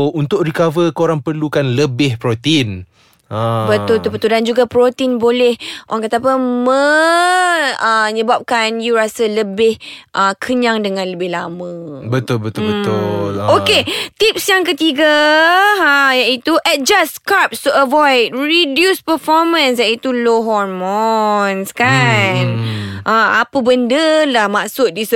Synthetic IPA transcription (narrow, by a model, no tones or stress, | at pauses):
ount̪ʊkɾikavəkoɾaŋpərlukanləbɪhpɾot̪in | əbət̪ʊlt̪ulbət̪uldand͡ʒuɡapɾot̪iinbolɛhʔoɾaŋkat̪aːpəmə̃ | əɲəbap̚kanjuɾasələbɪhʔəkʰəɲaŋdəŋãnləbɪhlamə̃bət̪ʊlbət̪ʊbəʊoket̪ip̚sjaŋkət̪iɡa | jaʔit̪uʔɛt̪̚d͡ʒaskap̚st̪uəvɔjt̚ɹidjuspəfɔrmə̃nsjaʔit̪uloɦɔrmɔnskanʔəa̰pəbəndəlahmaksʊt̪̚dis